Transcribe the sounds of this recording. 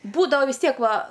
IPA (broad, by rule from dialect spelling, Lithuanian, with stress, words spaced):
ˈbuːdɐʋɐ ʋʲɪs ˈtʲiɛk ˈʋɐ